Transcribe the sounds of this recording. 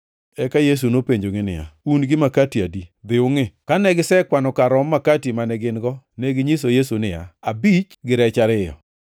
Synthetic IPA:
ɛkajes̬unopeɲd͡ʒoŋɪnɪ̰ja̰unɡɪmakatiadid̪ɪʊŋɪkanɛɡɪsɛkwanɔkaɾɔmːakatimanɛɡɪnɡɔneɡɪɲisojesunɪja̰abit͡ʃɡɪɾɛt͡ʃaɾɪjɔ̰

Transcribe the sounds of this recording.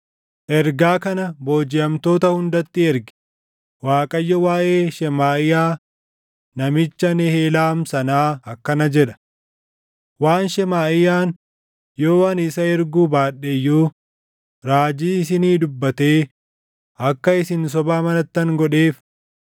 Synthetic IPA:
ʔɛɾɡaːkɐnɐbo̞ːd͡ʒɪɐmt̪o̞ːt̪ɐhʊnd̪ɐt̪ːɪɛɾɡɪ̥ | waːkʼɐjːɔwaːʔeːʃɛmaːɪjaː | nɐmɪt͡ʃːɐnɛheːlaːmsɐnaːɐkːɐnɐd͡ʒɛᶑɐ̥ | waːnʃɛmaːʔɪjaːn | joːwɐnɪsɐɛɾɡuːbaːᶑɛjːuː | ɾaːd͡ʒiːɪs̬ɪniːd̪ʊbːɐt̪eː | ɐkːɐɪsɪns̬ɔbaːmɐnɐt̪ːɐŋɡɔᶑeːf

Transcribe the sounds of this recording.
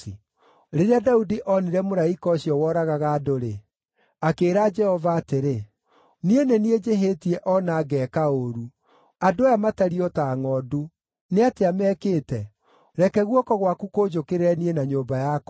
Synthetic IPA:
ɾeɾeadaudiʔɔniɾɛmoɾaikɔːɕjɔwɔɾaɣaɣaːdoɾe | akeːɾad͡ʒɛhɔvaːteɾe | nienenied͡ʒeɦetiɛʔɔnaːɡɛːkaoɾu | adojamataɾiɔtaːŋɔdu | neateamɛːkeːtɛ | ɾɛkɛɣwɔkɔɣwakukod͡ʒokeɾeɾɛnienaɲoːmbajak

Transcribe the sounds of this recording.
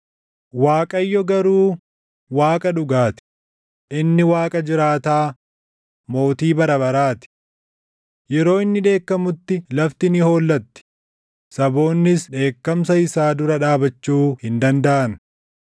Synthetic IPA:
waːkʼɐjːɔɡɐɾuː | waːkʼɐᶑʊɡaːt̪ɪ̥ | ʔɪnːɪwaːkʼɐd͡ʒɪɾaːt̪aː | mo̞ːt̪iːbɐɾɐbɐɾaːt̪ɪ̥ | jɛɾo̞ːɪnːɪᶑe̞ːkːɐmʊt̪ːɪlɐft̪ɪnɪho̞ːlːɐt̪ːɪ̥ | sɐbo̞ːnːɪsᶑe̞ːkːɐmsɐɪsaːd̪ʊɾɐᶑaːbɐt͡ʃːuːhɪnd̪ɐnd̪ɐʔɐn

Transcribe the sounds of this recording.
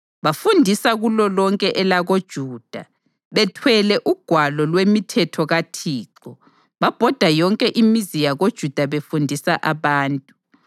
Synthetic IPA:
βafundʱisaɣulɔlɔŋkʼɛʔɛlaɣod̥ʒ̥ʱuːd̥ʱa | βɛtʰwɛlɛʔuɡ̥ʱwalɔlwemitʰɛtʰɔɣatʰiːǃɔ | βab̥ʱɔd̥ʱajɔŋkʼɛʔimizijaɣod̥ʒ̥ʱud̥ʱaβefundʱisaʔaβaːntʼu

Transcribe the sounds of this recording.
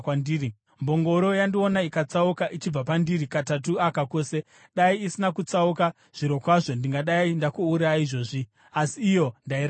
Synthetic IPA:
ndiri | mbo̞ŋɡo̞ɾo̞jandionaikat͡saukaʔit͡ʃib͡vapandiɾikatat̬uakako̞ːse̞ | ɗaiisinakut͡sauka | ʐ̥iɾo̞kwaʐo̞ndiŋɡaɗaindakuuɾaiʐo̞ʐi | asiːjo̞ndaiɾ

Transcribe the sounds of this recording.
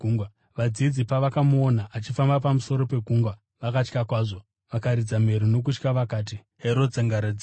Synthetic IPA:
ɡʱuŋɡwa | ʋad͡zid͡zipaʋakamuonaʔat͡ʃifambap̬amuso̞ɾo̞pe̞ɡʱuːŋɡwa | ʋakat͡ʃkakwaːʐo̞ | ʋakaɾid͡zame̞ɾuno̞k̬ut͡ʃkaʋakaːt̬i | heɾo̞d͡zaŋɡaɾad͡z

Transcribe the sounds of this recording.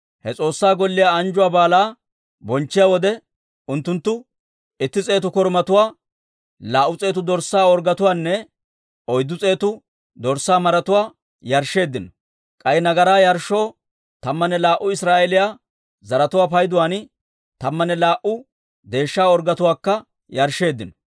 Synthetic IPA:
hɛt͡sʼo̞ːsːaːɡɔlːɪjaɐnd͡ʒʊwaːbaːlaː | bɔnt͡ʃːɪjaːwɔd̪ɛ | ʊnt̪ːʊnt̪ːʊ | ɪt̪ːɪt͡sʼe̞ːt̪ʊkɔɾmɐt̪ʊwaː | laːʔʊt͡sʼe̞ːt̪ʊd̪ɔɾsːaːɔɾɡɐt̪ʊwaːnːɛ | ɔjd̪ːʊt͡sʼe̞ːt̪ʊ | d̪ɔɾsːaːmɐɾɐt̪ʊwaː | jɐɾʃe̞ːd̪ːɪnɔ | kʼɐjɛnɐɡɐɾaːjɐɾʃːoː | t̪ɐmːɐnɛlaːʔʊɪsɾaːʔelɪjaː | zɐɾɐt̪ʊwaːp̬ɐjd̪ʊwaːn | t̪ɐmːɐnɛlaːʔʊ | d̪e̞ːʃːaːɔɾɡɐt̪ʊwaːkːɐ | jɐɾʃːe̞ːd̪ːɪnɔ

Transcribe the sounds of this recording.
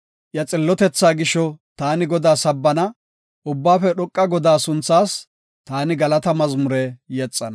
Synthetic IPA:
ʔjɐt͡sʼɪlːɔt̪ɛt͡sːaːɡɪʃɔt̪aːnɪɡɔd̪aːsɐbːɐnɐ | ʔʊbːaːfɛɗɔkʼːɐɡɔd̪aːsʊnt͡sːaːs | t̪aːnɪɡɐlɐt̪ɐmɐzmʊɾɛjɛt͡sʼːɐnɐ

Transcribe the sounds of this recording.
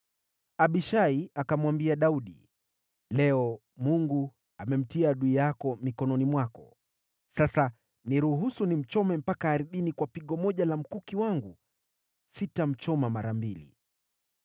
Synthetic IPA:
aɓiʃaiakamwambiaɗauɗḭ | lɛɔ | muŋɡu | amɛm̩tiaɗuijakɔmikɔnɔnimwakɔ̰ | sasa | niɾuɦusunim̩t͡ʃɔmɛm̩pakaːɾiðinikwapiɠɔmɔʄalam̩kukiwaŋɡu | sitam̩t͡ʃɔmamaɾambilḭ

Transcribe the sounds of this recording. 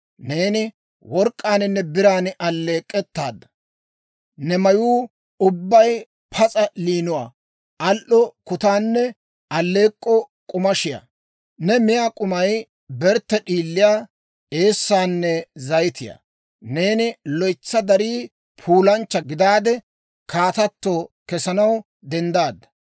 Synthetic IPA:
ne̞ːnɪ | wɔɾkʼːaːnɪnːɛbɪɾaːnɪʔɐlːe̞ːkʼːɛt̪ːaːd̪ːɐ | nɛmɐjuː | ʊbːɐj | pʰɐt͡sʼɐliːnʊwa̰ː | ʔɐlʔɔkʊt̪aːnːɛ | ɐlːe̞ːkʼːɔ | kʼʊmɐʃɪja̰ː | nɛmɪjaːkʼʊmɐj | bɛɾt̪ːɛɗiːlːɪjaː | eːsːaːnːɛzɐjɪt̪ɪja̰ː | ne̞ːnɪlɔjt͡sːɐd̪ɐɾiː | pʰuːlɐnt͡ʃːɐɡɪd̪aːd̪ɛ | kaːt̪ɐt̪ːoːkɛsɐnɐw | d̪ɛnd̪aːd̪ːɐ̥

